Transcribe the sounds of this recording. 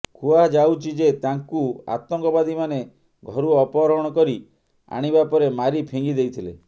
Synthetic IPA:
kʰuad͡ʒawt͡ʃʰid͡ʒet̪aŋkua̰t̪ɔŋkɔbad̪ʱimane | ɡʱɔɾuɔpɔɾɔɦɔɽ̃ɔkɔɾi | a̰ɽ̃ibapɔɾemaɾipʰiŋɡid̪ejt̪ʰile

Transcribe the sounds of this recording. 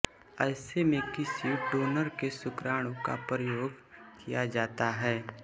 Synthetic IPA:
ɛːsemẽkɪsiɖoːnəɾkesʊkɾaːɽ̃õka̰pɾəjoːɡkʰijad͡ʒaːt̪aɦɛː

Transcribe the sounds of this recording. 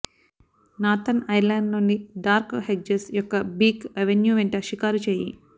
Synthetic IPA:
naːt̪ɐnɐjlaːɳɖnonːiɖaːɾkhed͡ʒesjɔkːɐbiːkɐʋenjuːʋeɳʈɐʃikaːɾut͡ʃeːjḭ

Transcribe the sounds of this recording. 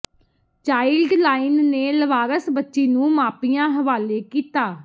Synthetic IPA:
t͡ʃaːɪlɖlaːɪnneːləʋaːɾəsbətːʃiːnũːmaːpijãːɦəʋaːleːkiːt̪aː

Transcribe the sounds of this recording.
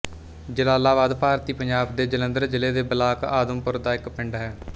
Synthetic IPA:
d͡ʒəlaːlaːʋaːd̪paːɾt̪iːpəɲd͡ʒaːb̚d̪eːd͡ʒələ̃nd̪əɾd͡ʒɪleːd̪eːbəlaːkaːd̪əmpʊɾd̪aːɪkpɪɳɖɦɛː

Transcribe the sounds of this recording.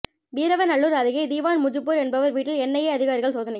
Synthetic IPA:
biːɾɐʋɐnɐɭːuːɾɐɾɯɣɐɪd̪iːʋaːnmʊd͡ʒɯpːuːɾɛnbɐʋɐɾʋiːʈːɪlɛnːɐjɐːɐðɪɣaːɾɪɣɐɭsoːðɐnɐ

